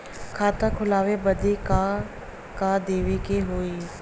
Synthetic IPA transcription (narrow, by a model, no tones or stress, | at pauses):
kʰaːt̪ãːkʰʊlaːʋeːbəd̪eːka | kaːd̪eːʋeːkeɦoːiː